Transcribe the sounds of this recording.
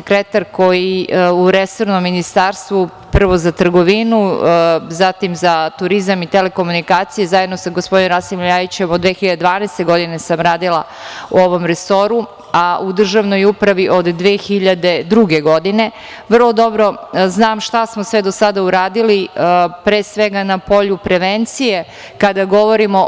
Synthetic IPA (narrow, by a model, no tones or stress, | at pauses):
ekɾet̪aɾko̞jiuɾeso̞ɾnomːinist̪aːɾst̪ʋu | pr̩ʋo̞zat̪r̩ɡo̞ʋinu | zat̪imzat̪uɾizamit̪ele̞ko̞munikaːt̪sije̞zajed̪no̞saɡospo̞d̪inɾasimʎaʋit͡ɕemod̪ʋeːxiʎad̪ed̪ʋaːnɛːst̪e̞ɡo̞d̪ine̞samɾaːd̪ilˠa̰ | uo̞ʋo̞mɾeso̞ɾu | aʔud̪r̩ʒaʋno̞jupɾaʋiʔo̞d̪ːʋeːxiʎad̪e̞d̪ɾuɡe̞ɡo̞d̪ine̞ | ʋr̩lˠo̞d̪o̞bɾo̞znaːmʃt̪asmosʋed̪o̞sad̪auɾaːd̪ilipɾeːsʋe̞ɡanapo̞ʎupɾe̞ʋent̪sije̞ | kad̪aɡo̞ʋo̞ɾimo̞